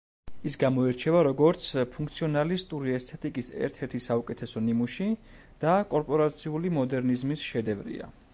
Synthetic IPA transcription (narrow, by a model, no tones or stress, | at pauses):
isɡamɔɛɾt͡ʃʰɛvaɾɔɡɔɾt̪sʰpʰuŋk̚ʰt̪sʰiɔnalist̪ʼuɾiɛst̪ʰɛt̪ʼikʼisɛ̰ɾt̪ʰɛɾt̪ʰisaukʼɛt̪ʰɛsɔnimuʃi | d̪̥akʼɔɾpʼɔɾat̪sʰiulimɔd̪ɛɾnizmisʃɛd̪ɛvɾḭa̰